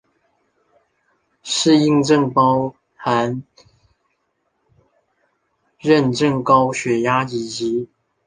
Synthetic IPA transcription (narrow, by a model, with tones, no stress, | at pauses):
ʂɻ̩˥˧i˥˧ŋʈ͡ʂə˥˨ŋpɑ˦ʊ | xa˧˦n | ɻə˥˧˨nʈ͡ʂə˥˩ŋkɑ˥ʊɕɥɛ˨˥ja˥i˨˩t͡ɕi˨˦